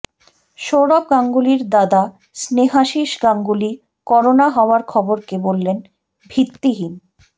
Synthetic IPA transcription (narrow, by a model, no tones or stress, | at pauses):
ʃowɾob̚ɡaŋɡuliɾd̪ad̪a | sneɦaʃiʃɡaŋɡuli | kɔɾonaɦɔoaɾkʰɔboɾkebolːen | bʱit̪ːiɦin